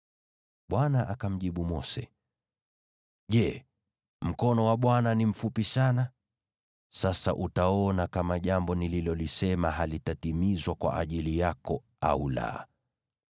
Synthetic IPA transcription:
ɓwanaʔakam̩ʄiɓumɔsɛ̰ | ʄɛ | m̩kɔnɔwaɓwananim̩fupisana | sasa̰ʔutaɔnakamaʄambɔnililɔlisɛmaɦalitatimizwakwa̰ʔaʄilijakɔ | a̰ula̰

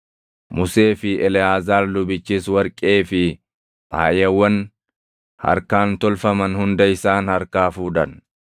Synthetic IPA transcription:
mʊse̞ːfɪʔɛlɪjaːzaːllʊbɪt͡ʃːiːswɐɾkʼe̞ːfɪ | ʔa̰ːjɛwːɐn | hɐ̰ɾkaːnt̪ɔlfɐmɐnhʊnd̪ɐɪsaːnhɐɾkaːfuːd̪ɐn

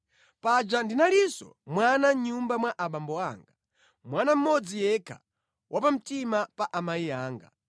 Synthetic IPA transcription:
pad͡ʒandinalisɔ̰mwanaɲumbamwaʔaɓambɔaːŋɡa | mwanam̩mɔd͡zijɛkʰa̰ | wʔapam̩timapaʔamaiaːŋɡa̰

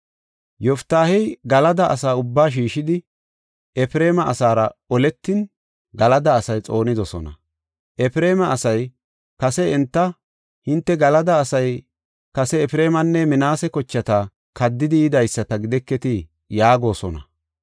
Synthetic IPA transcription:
jɔft̪aːhɛjɡɐlɐd̪ɐʔːsaːʊbːaːʃ̬iːʃɪd̪ɪ | ɛfɪɾe̞ːmɐʔɐsaːɾɐɔlɛt̪ːɪn | ɡɐlɐd̪ɐːsɐjt͡sʼo̞ːnɪd̪ɔsɔ̰nɐ̰ | ʔɛfɪɾe̞ːmɐːsɐj | kɐsɛɛnt̪ːɐ | hɪnt̪ːɛɡɐlɐd̪ɐːsɐj | kɐsɛːfɾe̞ːmɐnːɛmɪnaːsɛkɔt͡ʃːɐt̪ɐ | kɐd̪ːɪd̪ɪjɪd̪ɐjsːɐt̪ɐɡɪd̪ɛkːɛt̪ɪ | jaːɡo̞ːsɔnɐ̰

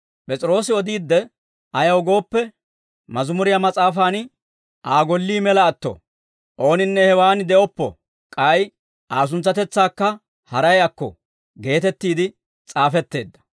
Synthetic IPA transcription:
pʼɛt͡sʼɪɾo̞ːsɪɔd̪iːd̪ːɛ | ɐjɐwɡo̞ːpːɛ | mɐzʊmʊɾɪjamɐt͡sʼaːfaːn | ʔaːɡɔlːiːmɛlɐːt̪ːɔ̰ | ʔo̞ːnɪnːɛhɛwaːnd̪ɛʔɔpːɔ̰ | kʼɐj | ʔaːs̬ʊnt͡sːɐt̪ɛt͡sːaːkːɐ | hɐɾɐjɐkːɔ̰ | ɡe̞ːt̪ɛt̪ːiːd̪ɪ | t͡sʼaːfɛt̪ːe̞ːd̪ːɐ̥

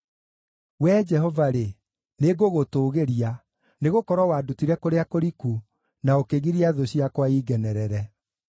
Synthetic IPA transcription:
wɛd͡ʒɛɦɔvaɾe | neɡoɣotoːɣeɾia | neɣokɔɾwɔwadutiɾɛkoɾeakoɾiku | naokeɣiɾiaðoɕiakwaiɡɛnɛɾɛɾɛ

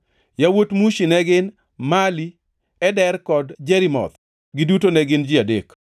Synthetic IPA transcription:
jawotmuʃinɛɡɪn | mali | ɛdɛɾkɔdd͡ʒɛɾimɔ̰t̪ | ɡɪdutonɛɡɪnd͡ʒɪadek

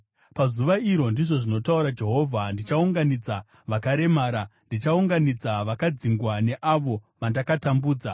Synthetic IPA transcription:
pazuʋaiɾo̞ndiʐo̞ʐino̞tauɾad͡ʒe̞ɦo̞ːvʱandit͡ʃauŋɡanid͡za | ʋakaɾe̞maːɾandit͡ʃauŋɡanid͡zaʋakad͡ziŋɡwane̞ʔaʋo̞ | ʋandakatambuːd͡za

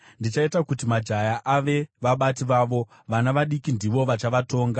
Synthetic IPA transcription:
ndit͡ʃaitakutimad͡ʒajaʔaʋe̞ʋaɓatiʋaːʋo̞ | ʋanaʋaɗikindiʋo̞ʋat͡ʃaʋato̞ːŋɡa

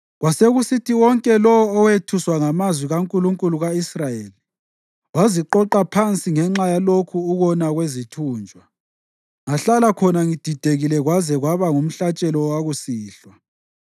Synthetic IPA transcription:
ɣwaseɣusitʰiwɔŋkʼɛlɔɔːwetʰuswaŋamazwiɣaŋkʼuluŋkʼuluɣaisrajeːli | waziǃɔǃapʰant͡sʼiŋɛŋ͡ǁajalokʰuːɣɔnaɣwezitʰuːnd͡ʒʱwa | ŋaɬalakʰɔnaŋid̥ʱid̥ʱeɣilɛɣwazɛɣwaβaŋum̩ɬat͡ʃʼɛlɔwaɣusiːɬwa

